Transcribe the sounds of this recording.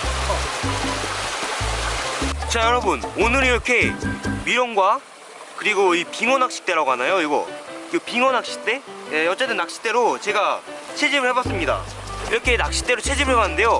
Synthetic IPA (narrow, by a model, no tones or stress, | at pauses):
t͡ɕajʌɾʌbunonɯɾiɾʌkʰe̞miɾʌnɡwa | kɯɾiɡoipiŋʌnak̚ɕ͈i̥k̚t͈e̞ɾaɡoɦanajoiɡʌ̰ɯpiŋʌnak̚ɕ͈i̥t͈e̞eʌt͡ɕ͈e̞t͈ɯnːak̚ɕ͈i̥t͈e̞ɾot͡ɕe̞ɡat͡ɕʰe̞d͡ʑimɯɭhebas͈ɯmɲida̰ | iɾʌkʰe̞nak̚ɕ͈i̥t͈e̞ɾot͡ɕʰe̞d͡ʑimɯɭɦebanːɯndejo